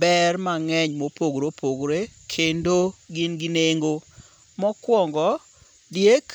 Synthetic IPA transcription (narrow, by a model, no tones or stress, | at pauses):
bɛrmaŋɛɲmopoɡɾopʰoɡɾekʰendoɡɪnɡɪneŋɡo | mɔkwɔŋɡɔ | djek